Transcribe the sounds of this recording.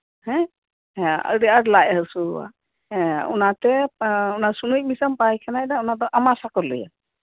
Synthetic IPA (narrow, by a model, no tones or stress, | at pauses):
hɛ̃ | ɛ̃ə̰ɾiaɾlaʔɛɦɯsuwã̰ | ṵnat̪ɛunasunujc̚misampajkʰanajdaunad̪ɔʔamasakɔlɯ̰ja̰